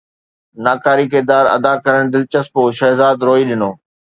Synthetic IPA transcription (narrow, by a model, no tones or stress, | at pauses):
naːkaːɾikɪɾd̪aːɾɐ̰d̪akɐɾəɽ̃d̪ɪlt͡ɕəspoːʃɛːzaːd̪ɾoːiɗɪnoː